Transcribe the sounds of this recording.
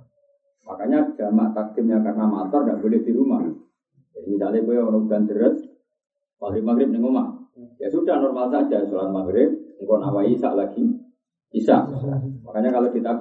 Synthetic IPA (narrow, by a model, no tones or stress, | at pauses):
makaɲadamaʔt̪ak̚t̪ɪp̚ɲakarnamat̪ɔrɡaʔbolɪhd̪̥iɾumah | adit̪alebəonɔkɡ̥and̪əɾət̪̚ | maɡɾɪp̚maɡɾɪp̚nɪŋomahjasudahnɔrmalsaʔd͡ʒasolat̪̚maɡɾɪp̚ŋkɔna̰waisa̰ʔlaɡiː | sa̰ʔmakaɲakalokit̪a